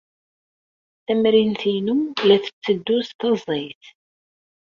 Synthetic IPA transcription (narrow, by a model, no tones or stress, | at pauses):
θæmɾinθinulæθə̥t͡sːəd̪ːust̪ɑzˤijθ